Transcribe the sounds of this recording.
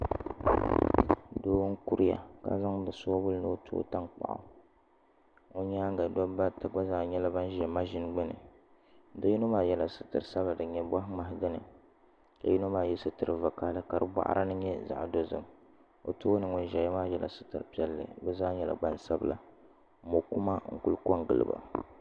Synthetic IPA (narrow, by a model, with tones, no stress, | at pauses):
doː˦wŋ̩˦ku˦ɾɪ˦ja̰˨ka̰˦za˦ŋdɨ˨so˦bʊ˦lnɨ˦o˦tʰo̰ː˦ta˦ŋk͡pa̰˨ʔa̰˨ | o˦ɲaː˦ŋ˦ɡa˨dɔ˦ba˦ta˦ɡ͡ba˦zaː˦˨ɲɛ˦la˦ba˦n˦ʒɛ˨ma˦ʒɪ˦n˦ɡ͡bɨ˦nɨ̰˨˦ | da˦ju˦no˦maː˦˨jɛ˨la˨sɨ˦tɨ̰˨ɾɨ˨sa˦bla˨dɨ˨ɲɛ˨ba˦ɦma˨ɦdɨ˦nɨ˨ | ka˨ju˦no˦maː˦˨jɛ˦sɨ˦tɨ˨ɾɨ˨va˨kaː˨˦lɨ˦ka˨ɾɨ˦ba̰˦ʔa̰˦ɾʔa̰˦nɨ˦ɲɛ˦za̰˨ʔdo˦zɨ˨m | o̰˨toː˦nɨ˨ŋʊ˨n˦ʒɛ˨jɛ˦maː˦jɛ˨lʔa̰˨sɨ˦tɨ˨ɾpi˦ɛ˦lːɨ̰˨bɛ˦zaː˦ɲɛ˨la̰˨ɡ͡ba˦n˨sa˦bla̰˨˦ | mo˨ku˦ma˦ŋ̩˨ku˦lko˦ŋɡɨ˨lɨ̰˨ba̰˨